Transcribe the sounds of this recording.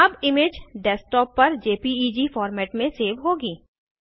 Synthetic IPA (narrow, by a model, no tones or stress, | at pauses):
ɐbɪmeːd͡ʒɖɛsʈɔːpːɐɾd͡ʒeːpiiːd͡ʒifɔːɾmɛːʈmẽseːʋɦoːɡiː